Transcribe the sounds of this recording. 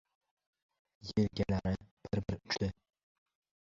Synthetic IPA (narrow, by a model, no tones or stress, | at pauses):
jelɡʲalaɾɪb̥ɪɾbɪɾʊt͡ʃʰd̪ɪ